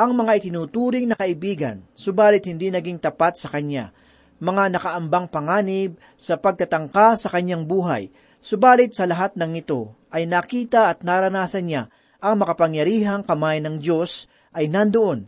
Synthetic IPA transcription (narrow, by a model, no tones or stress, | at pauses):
ʔɐŋmɐŋaʔɪt̪ɪnuːt̪uːɾɪŋnɐkɐʔɪbiːɡɐ̰nsʊbaːlɪt̪̚hɪnd̪inɐɡiŋt̪ɐpat̪̚sɐkɐɲa̰ | mɐŋanɐkɐʔɐmbaŋpɐŋaːnɪb̚ | sɐpɐɡ̚t̪ɐt̪ɐŋkasɐkɐɲːaŋbuːɦɐ̰j | sʊbaːlɪt̪̚sɐlɐɦat̪̚nɐŋɪt̪o̞ʔɐjnɐkiːt̪ɐʔɐt̪̚naɾɐnaːsɐnɲa | ʔɐŋmɐkɐpɐŋjɐɾiːɦɐŋkɐmajnɐŋdo̞s | ʔɐjnɐnd̪oʔo̞n